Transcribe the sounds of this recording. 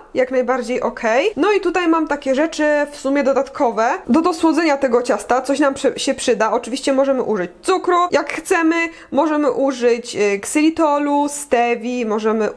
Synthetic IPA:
jaknajbaɾd͡ʑejʔɔkʰɛjnɔit̪ut̪ajmamt̪akʲɛʐɛt͡ʂɘfsumʲjɛd̪ɔd̪at̪kʰɔvɛd̪ɔd̪ɔswɔd̪zɛɲat̪ɛɡɔt͡ɕast̪at̪sɔɕnampʂɛɕɛpʂɘd̪aɔt͡ʂɘvʲiɕt͡ɕɛmɔʐɛmɘ̰ʔuʐɘt͡ɕt̪sukɾɔjʔakxt̪sɛmɘ | mɔʐɛmɘʔuʐɘt͡ɕksɘlʲit̪ɔlust̪ɛvʲimɔʐɛmɘ

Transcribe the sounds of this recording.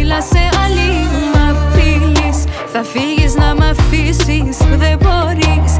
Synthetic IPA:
ilɐseɐlimɐfilis | θɐfiɣiznɐmɐfisisðevoɾis

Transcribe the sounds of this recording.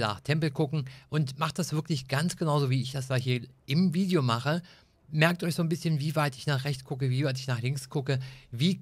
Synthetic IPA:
na̰ːχtʰɛmpl̩kʰʊkŋ̩ʔʊntmaχt̚d̥asv̥ɪɐklɪçɡ̥ant͡sɡ̥ənaʊzoviːɪçd̥asd̥aːhiːɐʔɪmviːdejomaχə | mɛɐk̚tʔɔɪçz̥oːnbɪsçənviːvaɪtɪçnaːχʁ̥ɛçt͡skʰʊkəviːvaɪt̬ɪçnaːχlɪŋkskʰʊkəviː

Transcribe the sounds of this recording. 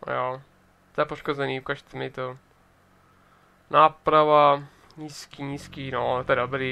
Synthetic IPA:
joː | t̪ɔɛpoʃkozɛniːukaʒt͡s̪ɛmɛt̪o | naːpɾava | ɲiːskiːɲiːskiːnot̪ɔɛdobɾiː

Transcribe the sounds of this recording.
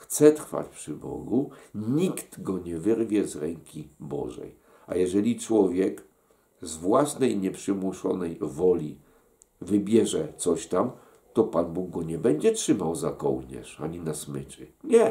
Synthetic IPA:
xt̪sɛt̪ɾfa̰t͡ɕpʂɘbɔ̰ɡuɲikt̪ɡɔɲɛvɘɾvʲjɛzɾɛŋkʲibɔ̰ʐɛ̰j | a̰jɛʐɛlʲit͡ʂwɔvʲjɛk | zvwasnɛjɲɛpʂɘmuʂɔ̰nɛjvɔlʲi | vɘbʲjɛʐɛt̪sɔɕt̪am | t̪ɔpanbuɡ̚ɡɔɲɛbɛɲd͡ʑɛtʂɘmawzakɔ̰wɲɛ̰ʂaɲinasmɘt͡ʂɘ̰ɲɛ

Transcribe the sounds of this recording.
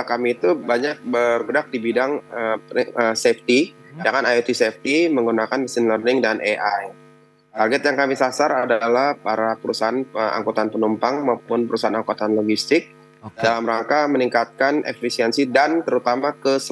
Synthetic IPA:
kamiːt̪ubaɲak̚bərɡədak̚dibidaŋəəsɛft̪i | jaŋanajut̪isɛft̪iməŋɡunakanməsɪnlərnɪŋdanʔeʔaj | t̪arɡɛt̪jaŋkamisasaɾadalahpaɾapəɾusaɦanəa̰ŋkot̪anpənumpaŋmaupʊnpəɾusaɦanaŋkot̪anloɡist̪ɪk̚ | dalamɾaŋkaməniŋkat̪̚kanʔḛfisiɛnsidant̪əɾut̪amakəsə

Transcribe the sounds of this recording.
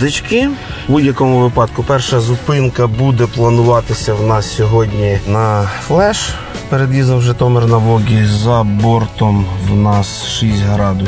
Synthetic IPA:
d̪ɪt͡ʃkɪ | budʲjɐkɔmʊʋɪpɑd̪kʊpɛrʃɐzʊpɪnkɐbud̪ɛplˠɐnʊʋɑt̪ɪsʲɐwnɑssʲɔɦɔdʲnʲinɐflˠɛʃ | peɾed̪ʋʲizɔnʒɛt̪ɔmernɐʋɔɡʲizɐbɔrt̪ɔmwnɑsʃisʲtʲɦɾɑd̪ʊ

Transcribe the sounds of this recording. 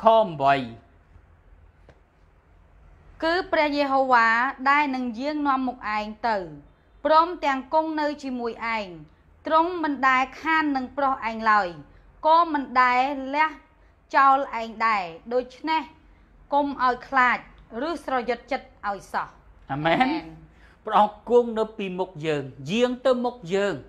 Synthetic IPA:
kʰɔːmʋəj | kɨːprɛ̆əhjeːɦoːʋaːɗaɛlnɨŋjiəŋnŏəmːuk̚ʔaɛŋt̪ɨw | prɔːmt̪ɛ̆əŋkuŋnɨwt͡ɕiəmuəjʔaɛŋ | t̪roŋmɨnɗaɛkʰaːnːɨŋprohʔaɛŋlaəj | kɔːmɨnɗaɛlɛ̆əh | t͡ɕaɔlʔaɛŋɗaɛɗoːc̚t͡ɕʰneh | komʔaɔjkʰlaːc̚rɨəhsrɑjʊt̪̚t͡ɕət̪̚ʔaɔjsɑh | ʔamɛːnnpəʔɑŋkuəŋnɨwpiːmuk̚jəːŋjiəŋt̪ɨwmuk̚jəːŋ

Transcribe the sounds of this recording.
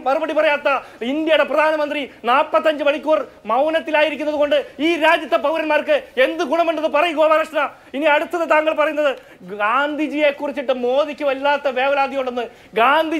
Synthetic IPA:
pɐrubɐɽipɐrɐjaːt̪ːɐind̪jɐjuɽe̞prɐd̪ʱaːnɐmɐnd̪rinaːpːɐt̪ːɐɲd͡ʑɨʋɐɭikʲːuːrmɐwnɐt̪ːilaːjiɾik̬ʲːunːɐðuko̞ɳɖɨiːɾaːd͡ʑjɐt̪ːɐpɐwuɾɐnmaːrkɨe̞nd̪ɨɡuɳɐmuɳɖɐðɨpɐrɐjuɡoːʋaɾɐʂna | iniɐɽut̪ːɐðɐt̪aːŋɡɐɭpɐrɐjunːɐðɨ | ɡaːnd̪ʱid͡ʑije̞kːurit͡ɕːiʈːɨmo̞ːðikʲːɨʋɐlːaːt̪ːɐʋe̞ːʋɐlaːd̪ʱjiɐuɳɖonːɨ | ɡaːnd̪ʱi

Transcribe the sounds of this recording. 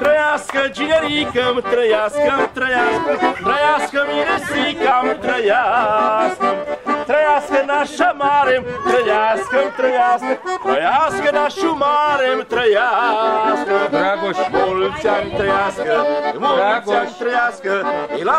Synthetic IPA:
t̪ɾɐjaskɐʒiɲɐɾikɐmt̪ɾɐjaskɐmt̪ɾɐjaskɐt̪ɾɐjaskɐmiɾɐsikamt̪ɾɐja | skɐmt̪ɾɐjaskɐnaʃɐmaɾemt̪ɾɐjaskɐmt̪ɾɐjaskɐt̪ɾɐjaskɐnaʃumaɾemt̪ɾɐjaskɐɐakoʃkolsamt̪ɾɐjaskɐoakat̪ɾɐjaskɐila

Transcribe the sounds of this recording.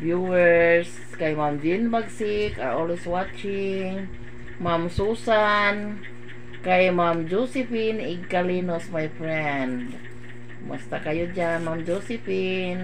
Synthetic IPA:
bjuəɹs | kaimamd͡ʒinbaɡsika̰ɹɔlwiswat͡ʃiŋ | mamsusan | kaimamd͡ʒɔsifiniɡalinɔsmajfɾɛnd | ma̰st̪akajud͡ʒanmamd͡ʒɔsifin

